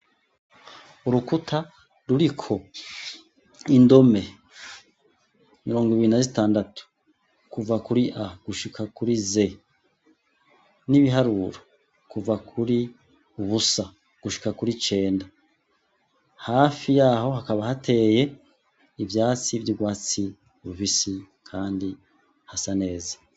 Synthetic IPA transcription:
uɾukutʰa | ɾuɾikʰo̞ | indo̞me̞ | miɾo̞ːŋɡoiβiɾinazitaːndatu̥ | kuvakuɾiʔaɡ̥uʃikʰakuɾize̞ | niβiɦaɾuɾo | kuvakʰuɾi | uβusa | ɡ̥uʃi̥kakuɾit͡ʃe̞ːnda | haːfijaːho̞hakaβahatʰe̞je̞ | ivjaːt͡sivjiɡwaːt͡si | βufisi | kʰaːndi | hasane̞ːzḁ

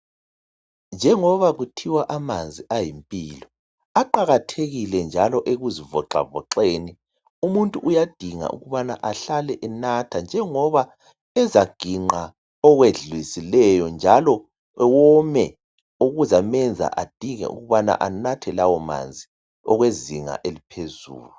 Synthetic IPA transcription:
nd͡ʒʱɛŋɔβaɣutʰiwaʔamand͡zʱiajimpʼiːlɔ | aǃaɣatʰeɣilɛnd͡ʒʱalɔʔeɣuzivɔ̰ǁa̰vɔ̰ǃeni | umuntʼuʔujad̥ʱiŋa̰ʔṵɣuβana̰ʔaɬalɛʔɛnatʰand͡ʒʱɛŋɔβa | ɛzaɡ̥ʱiŋ͡ǃa | ɔɣweɮwisilɛjɔnd͡ʒʱalɔ | ɛwɔmɛ | uɣuzamɛnd͡zʱa̰ʔad̥ʱiŋɛ̰ʔṵɣuβana̰ʔanatʰɛlawɔma̰nd͡zʱi | ɔɣweziŋa̰ʔelipʰezṵːlu

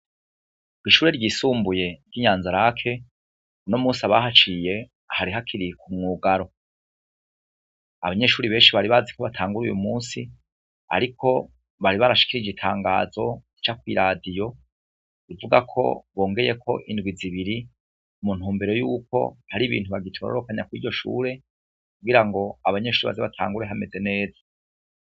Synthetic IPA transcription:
iʃuːɾe̞ɾɟiːsuːmbuje̞ɾɡiɲaːnzaɾakʰe̞ | unomuːsiaβaɦat͡ʃije̞ | ahaɾiɦakʰiɾikʰumŋuːɡaɾo̞ | a̰βaɲe̞ːʃuːɾiβe̞ːnʃiβaɾiβazikoβatʰaːŋɡuɾujṵmuːnsi | a̰ɾikʰo̞ | βaɾiβaɾaʃi̥kiɾid͡ʒitʰaːŋɡaːzo̞it͡ʃakwiɾadijo̞ | ivuɡakʰo̞̰βo̞ːŋɡe̞je̞kʰo̞̰ʔindɡwiziβiɾi | umun̥huːmbeɾo̞juːko̞̰haɾiβḭːntuβaɡitʰoɾo̰ɾo̞kaɲakwḭɟo̞ʃṵːɾe̞ | kuɡiɾaŋɡo̞aβaɲe̞ʃuːɾiβa̰zeβatʰa̰ːŋɡuɾe̞ɦame̞ze̞ne̞ːzḁ

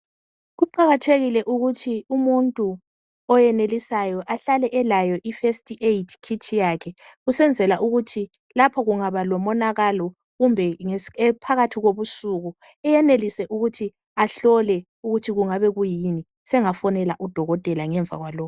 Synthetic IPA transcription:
ɣuǃaɣatʰeɣilɛʔuɣutʰiumuntʼu | ɔjɛnelisajɔʔaɬalɛʔɛlajɔʔifestʼiʔeitʰkʰitʰijakʰɛɣusɛnd͡zʱɛlaʔuɣutʰi | lapʰɔɣuŋaβalɔmɔnaɣalɔ | ɣumbʱɛŋeɛpʰaɣatʰiɣoβusuɣu | ɛjɛnelisɛʔuɣutʰi | aɬɔlɛ | uɣutʰiɣuŋaβɛɣujini | sɛŋafɔnɛlaʔud̥ʱɔɣɔtʼɛlaŋɛɱvʱa̰ɣwalɔːkɔ

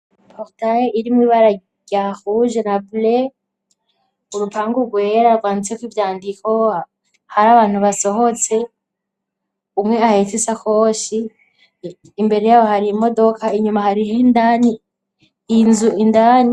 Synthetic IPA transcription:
pʰotajeiɾimŋwiːβaɾa | ɟahuʒenable | uɾupʰaːŋɡuɡweɾaɡwaːnit͡sekwivjaːndiko̞ | haɾaβaːn̥huβaso̞ɦo̞t͡se̞ | umŋe̞ahetisako̞ʃi | mbe̞ɾejaβohaɾimo̞do̞kʰaiɲumahaɾihendaniː | nzuindani

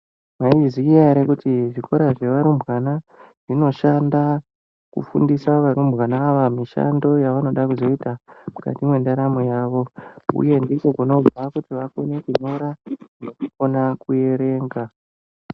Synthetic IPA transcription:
maizijaɾekutiʐikʰo̞ɾaʐe̞ʋaɾumbwanaʐ̥ino̞ʃanda | kṵfṵndisaʋaɾumbɣanaːʋamiʃa̰ndo̞jaʋano̞ɗakuzo̞itamuka̰timwe̞ndaɾamujaːʋo̞ṵje̞ndiko̞kuno̞b͡vʱakutiʋako̞ne̞kuɲoɾanokuko̞nakuje̞ɾe̞ːŋɡa

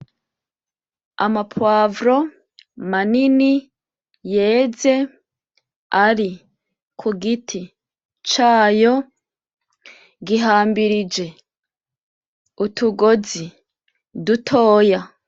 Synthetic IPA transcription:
a̰mapʰwaːvɾo̞ | manini | je̞ːze̞ | aɾi | kʰuɡitʰi | t͡ʃaːjo̞ | ɡiɦaːmbiɾid͡ʒe̞ | utuɡozi | dutʰo̞ːja

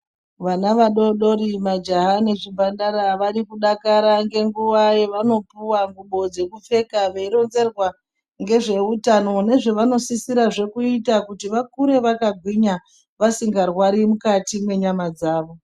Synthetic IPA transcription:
ʋanaʋaɗo̞ɗo̞ɾimad͡ʒaɦane̞ʐibʱandaɾaʋaɾikuɗakaɾaŋɡe̞ŋɡuwajeʋano̞puwaŋɡuɓo̞d͡ze̞kufe̞kaʋeiɾo̞nze̞rwa | ŋɡe̞ʐe̞utano̞ne̞ʐeʋano̞sisiɾaʐe̞kuitakutiʋakuɾe̞ʋakaɡʱwiɲa | ʋasiŋɡarwaɾimukatimwe̞ɲamad͡zaːʋo̞

